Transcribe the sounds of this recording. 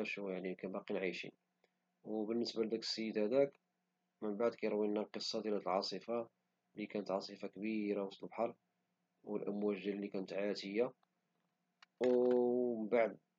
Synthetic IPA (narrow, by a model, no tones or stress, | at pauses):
æʃujaʕnikænbɑqinʕajʃḭn | wbənːəsbald̪ækə̥sːəjːəd̪hæd̪æk | mənbaʕd̪kæjɾwːinːælqəsˤːɑd̪jlæt̪əlʕɑsˤəfa | likænət̪ʕɑsˤəfakbiɾawst̪əbħɑɾˤ | wəlʔæmwæʒd̪ælːikænət̪ʕat̪əjːa | w | baʕd̪